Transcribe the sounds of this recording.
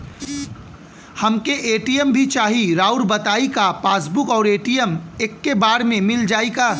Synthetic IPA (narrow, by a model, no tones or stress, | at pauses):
hɐmkeʔeːʈijəmbʱit͡ʃaːɦiɾaːʊɾbɐt̪aːikapaːsbʊkɔːɾeːʈijəmeːkːebaːɾmẽmɪld͡ʒaːikaː